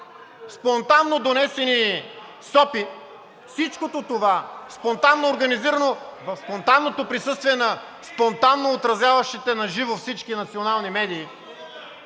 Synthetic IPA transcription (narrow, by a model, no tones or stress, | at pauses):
spont̪anːod̪onɛsɛni | sɔpi | fsit͡ʃkot̪ot̪ovaspont̪anːoːɾɡɐniziɾɐnovɐfspont̪anːot̪opɾisɤst̪viɛnɐ | spont̪anːoːt̪ɾɐzʲjavɐʃit̪ɛnɐʒivofsit͡ʃkinɐt̪sionalˠnimɛd̪iː